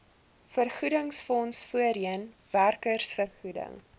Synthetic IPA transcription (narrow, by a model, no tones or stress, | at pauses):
fərχudəŋsfɔnsfuəɾiənværkərsfərχudə̰ŋ